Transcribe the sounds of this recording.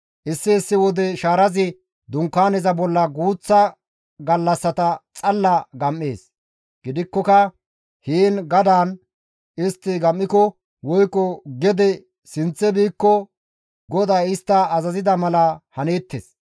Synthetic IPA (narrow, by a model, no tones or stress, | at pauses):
ʔɪsːɪːsːɪwɔd̪ɛʃaːɾɐzɪ | d̪ʊŋkːaːnɛzɐbɔlːɐɡuːt͡sːɐ | ɡɐlːɐsːɐt̪ɐt͡sʼɐlːɐɡɐmːeːs | ɡ̥ɪd̪ɪkːɔkɐ | hiːnɡɐd̪aːn | ɪst̪ːɪɡɐmːɪkɔ | wɔjkʼːɔɡɛd̪ɛ | sɪnt͡sːɛbiːkːɔ | ɡɔd̪ɐjɪst̪ːɐːzɐzɪd̪ɐmɐlɐhɐneːt̪ːḛs